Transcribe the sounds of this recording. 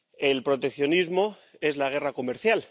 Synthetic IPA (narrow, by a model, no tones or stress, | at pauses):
e̞lpɾo̞t̪e̞kθjo̞nizmo̞ | e̞zlaɣ̞e̞rako̞me̞ɾθjal